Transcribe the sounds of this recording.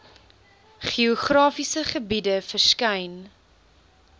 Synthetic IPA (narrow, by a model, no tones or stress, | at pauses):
χiɔχrɑːfisəχəbidəfərskɐjn